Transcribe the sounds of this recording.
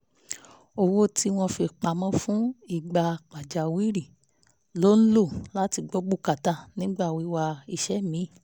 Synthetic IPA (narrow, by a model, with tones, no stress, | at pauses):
o˧˨wo˦ti˦w̃ɔ̃˧fi˧k͡pa˨mɔ̃˦fũ˦i˦˨ɡ͡ba˨˧k͡pa˨d͡ʒa˨wi˦ɾi˦˨ | lo˦n̩˦lo˦˨la˨˦ti˧ɡ͡bo˦ɡ͡bu˦˨ka˨ta˦˨nĩ˨˦ɡ͡ba˦˨wi˨˦wa˧i˧˨ʃɛ˦mĩ˨˦˨